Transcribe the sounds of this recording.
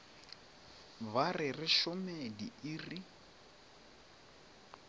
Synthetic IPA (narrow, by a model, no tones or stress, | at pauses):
barɪrɪʃɔmediiri